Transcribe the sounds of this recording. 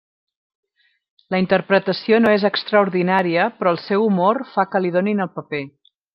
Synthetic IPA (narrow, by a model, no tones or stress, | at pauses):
ləint̪ərpɾət̪əsionoezəkst̪ɾəuɾðinaɾiəpɾɔəlˠsɛwumorfakəliðoninəlˠpəpe